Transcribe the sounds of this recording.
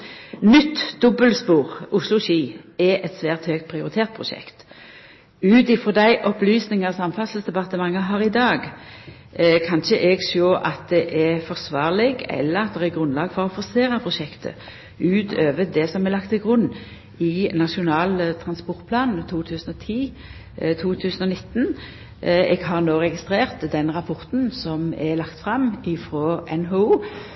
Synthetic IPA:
nʏt̪ːd̪ɔbəlspuːʁʊslʊʃiːɛʔɛt̪sʋæːʁt̪høːk̚t̪̚pʰʁɪʊʁɪt̪ʰeːʁt̪̚pʰʁʊʃɛ̰kt̪ | ʉːt̪ɪfɾɔd̪æɪʔɔplyːsnɪŋɑsɑmfɑsəlsd̪ɛbɑt̪əmɑŋːəɦɑʁɪd̪ɑːɡ | kʰɑnʃəʔɛɡsoːʔɑt̪̚d̪ɛʔɛfɔʁsʋɑːʁlɪɡɛ̰lːəʁɑt̪̚d̪ɛʁæɡɾʉnlɑːɡfɔʁɔfɔseːɾɑpʰɾʊʃɛkt̪ʰə̰ | ʉːt̪ʰøːʋət̪̚d̪ɛsɔmɛʁlɑkt̪ʰːɪlɡʁʉnː | ɪnɑʂʊnɑːlt̪ʰɾɑnspɔʁt̪̚pʰlɑːnn̩t̪ʰuːt̪ʰʉːsən̩ɔt̪ʰiː | t̪ʰuːt̪ʰʉːsnɔnɪt̪ːn | ɛɡɦɑʁnoːɾɛɡɪst̪ɾeːʁt̪d̪ɛnɾɑpʰɔʁt̪n̩sɔmɛlɑkt̪fɾɑmɪfɾoːʔɛnɦouː

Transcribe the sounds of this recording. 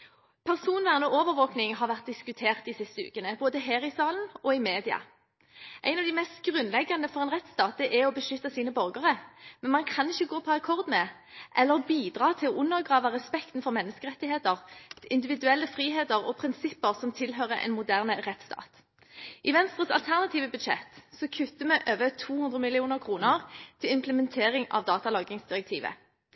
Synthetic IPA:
pʰæʁsuːnʋæːʁənɔoːʋəɾʋoːknɪŋɦɑʁʋæʁt̪̚d̪ɪskʉt̪ʰeːʁt̪̚d̪ɪsɪst̪əʉ̰ːkənəboːd̪əɦeːʁɪsɑːln̩ɔɪmeːd̪ɪɑ̰ | ʔæ̰ɪnɑʋd̪ɪmɛst̪ɡʁʉnlɛɡːɑnd̪əfɔʁɛnʁɛt̪st̪ɑːt̪̚d̪ɛʔɛɔbəʃʏt̪ːɑsiːnəbœʁɡəʁəmɛnmɑnkʰɑnɪçəɡoːpʰɔɑkʰɔʁd̪mɛ | ʔɛlːəʁbiːd̪ʁɑːt̪ʰɪlɔʔʉnːəʁɡʁɑːʋəʁɛspɛkt̪n̩fɔʁmɛnːəskəʁɛt̪ːɪheːt̪əʁɪnd̪ɪʋɪd̪ʉɛlːəfʁiːɦeːt̪əʁɔpʰɾɪnsɪpːəʁsɔmt̪ʰɪlɦøːʁəʔɛ̰nmʊd̪æʁnəʁɛt̪st̪ʰɑ̰ːt̪ | ʔɪʋɛnst̪ʁəsɑlt̪ʰæʁnɑt̪ʰiːʋəbʉd̪ʃɛ̰t̪ːsɔkʰʉt̪ːəmɛʔøːʋət̪ʰuːhʉnd̪ʁəmɪlɪuːnəʁkʰʁuːnəʁt̪ʰɪlɪmpləmɛnt̪ʰeːʁɪŋɑ̰ʋd̪ɑːt̪ɑlɑːɡɪŋsd̪̥ɪʁɛk̚t̪ʰiːʋə̰

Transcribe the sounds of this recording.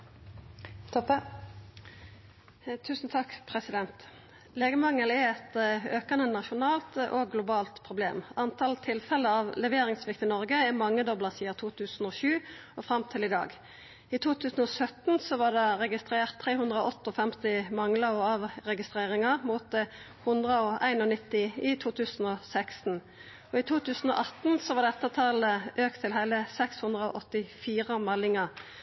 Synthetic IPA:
t̪ʰɔp | t̪ʰʉːsnt̪ʰɑkːpʰʁɛsɪd̪ɛnt̪ | leːɡəmɑŋːəlɛɾɛt̪øːkɑnənɑʃʊnɑːlt̪ʔoɡɡlʊbɑːlt̪pʰʁʊblḛːmɑnt̪ʰɑlt̪ʰɪlfɛləɑʋlɛʋeːɾɪŋsʋɪkt̪ɪnɔʁɡəɛmɑŋːəd̪ɔblɑʁsiːɑt̪ʰuːt̪ʰʉːsn̩ɔʃʉːɔfʁɑmt̪ʰɪlɪd̪ɑ̰ːɡ | ɪt̪ʰuːt̪ʰʉːsn̩ɔsœt̪n̩sɔʋɑɖɛʁɛɡɪst̪ɾeːʁt̪ʰːʁeːhʉnd̪ʁəɔʔɔt̪ːəɔfɛmt̪ɪmɑŋləʁɔɑʋʁɛɡɪst̪ʁeːʁɪŋəʁmuːt̪̚ | hʉnd̪ʁəɔʔæ̰ɪnɔnɪt̪ːɪɪt̪ʰuːt̪ʰʉːsn̩ɔsækst̪n̩ | ɔɪt̪ʰuːt̪ʰʉːsn̩ɔ̰ʔɑt̪n̩sɔʋɑʁd̪ɛt̪ːət̪ʰɑləʔøːkt̪ʰːɪlɦæɪləsɛkshʉnd̪ʁəɔ̰ʔɔt̪ːɪfiːʁəmɛlːɪŋəʁ

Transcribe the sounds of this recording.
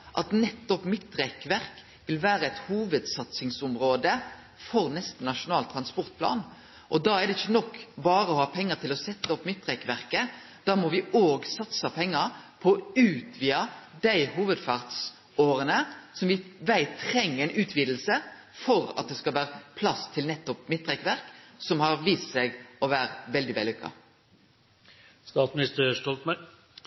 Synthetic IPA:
ʔɑt̪nɛt̪ːɔpmɪt̪ːɾɛkʋæʁk | ʋɪlʋæːɾəɛɪt̪huːʋəd̪sɑt̪sɪŋsʊmɾoːd̪ə | fɔɾnɛst̪nɑʂʊnɑːlt̪ʰɾɑnspɔʁt̪̚pʰlɑ̰ːn | ʔɔd̪ɑːæd̪ɛɪçːənɔkːbɑːɾəɔhɑːpʰɛŋːəɾt̪ʰɪlɔsɛt̪ːəɔpːmɪt̪ːʁɛkʋæʁkə | d̪̥ɑːmɔʋɪoːɡsɑt̪səpʰɛŋːəɾpʰɔɔʉːt̪ʋiːɑd̪æɪhuːʋəd̪fɑʁt̪s | oːɾənəsɔmʋɪʋæɪt̪t̪ʰɾɛŋːəɛɪnʉːt̪ʰʋiːd̪l̩sə | fɔɾɑ̰t̪̚d̪ɛskɑlʋæːɾəpʰlɑst̪ʰɪlnɛt̪ːɔpmɪt̪ʰːʁɛkʋæɾksɔmhɑʁʋiːst̪sɛɡɔʋæːɾʋɛld̪ɪʋɛ̰lːʉkːɑ̰ | st̪ɑːt̪smɪnɪst̪əʂʈɔlt̪mæ

